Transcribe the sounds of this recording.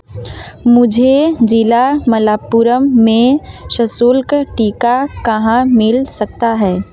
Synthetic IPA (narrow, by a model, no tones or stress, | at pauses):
mʊd͡ʒʱed͡ʒɪlaməlaːpuɾəmːẽʃɐsulkʈiːkakɐɦãmɪlsɐk̚t̪aɦɛː